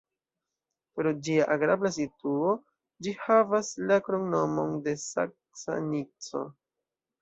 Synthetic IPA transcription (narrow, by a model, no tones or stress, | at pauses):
pɾo̞d͡ʒiaʔaɡɾablas̬ituo̞ | d͡ʒihavaslakɾoŋno̞mo̞nde̞sa̰k̚sa̰nit͡so̞̰